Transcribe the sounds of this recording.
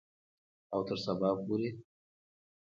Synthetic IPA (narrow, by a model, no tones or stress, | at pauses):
awt̪əɾsabɑpoɾe